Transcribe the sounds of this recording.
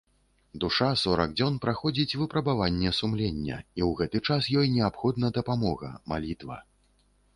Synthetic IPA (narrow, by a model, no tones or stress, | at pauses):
d̪uʂasɔɾɐ̰ɡd͡zʲɔnpɾaxɔd͡zʲit͡sʲvɨpɾɐbavanʲːɛsumlʲenʲːɐ̰iwɣɛt̪ɨt͡ʂasjɔjnʲɛapxɔd̪nɐd̪ɐpamɔɣɐ̰ma̰lʲit̪vɐ̰